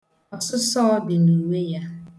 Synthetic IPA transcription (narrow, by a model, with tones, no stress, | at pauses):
ɔ˨sʊ˦sɔ˦bɪ˨li˨we˦ja˦